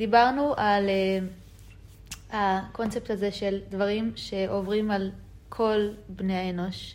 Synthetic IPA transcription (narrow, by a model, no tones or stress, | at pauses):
dibaʁnuʔal | hakont͡septaze̞ʃeldvaʁimʃe̞ʔovʁimal | kʰo̞lbnejaeno̞ʃ